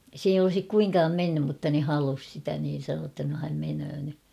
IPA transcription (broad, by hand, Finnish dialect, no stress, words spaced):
s ei olŏsik kuiŋkɑːm menːym mutːɑ ne hɑlus sitæ niːn̞ sɑnoː tːɑ no hæm menøː ny